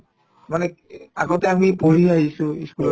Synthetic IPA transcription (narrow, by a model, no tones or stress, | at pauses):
manɛ | aɡɔtɛamipoɹiaɦisʊ̃eskulɔ